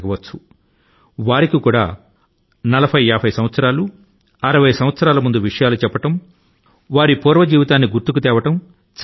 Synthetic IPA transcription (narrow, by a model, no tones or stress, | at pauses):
ɡɐʋɐt͡ʃːu̥ | ʋaːɾikikuːɽa̰ː | nɐlɐbʰʱɐjaːbʱɐjsɐmʋɐt̪sɐɾaːlu | ɐɾɐʋɐjɐsɐm̃ʋɐt̪sɐɾaːlɐmund̪uʋiʂɐjaːlut͡ʃɛpːɐʈɐm | ʋaːɾipuːɾʋɐd͡ʒiːʋit̪aːnːiɡuɾt̪uk̬ut̪ɛːʋɐʈɐm | t͡ʃ